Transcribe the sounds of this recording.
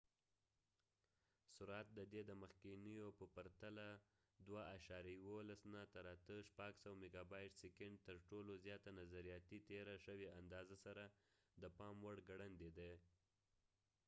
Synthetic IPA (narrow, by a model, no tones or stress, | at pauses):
sʊɾat̪̚d̪əd̪ed̪əməxkinəjopəpaɾt̪ala | d̪waaʃɑɾjajwolasnat̪aɾat̪əʃpaɡsawmeɡɑbɑjʈsekɪɳɖ̚t̪əɾʈolozjɑt̪anazaɾijɑt̪it̪eɾaʃəweand̪ɑzasaɾad̪əpɑmwaɽɡaɽand̪ed̪e